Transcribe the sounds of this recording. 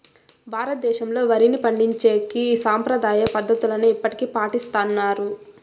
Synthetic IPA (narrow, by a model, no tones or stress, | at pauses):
bʱaːɾɐt̪̚d̪ɛːʃɐmlo̞ːʋɐɾinipɐɳɖiɲt͡ʃe̞ːkiːsaːmpɾɐd̪aːjɐpɐd̪ʱːɐt̪ulɐnuipːɐʈi̥kipaːʈist̪aːnːaːɾu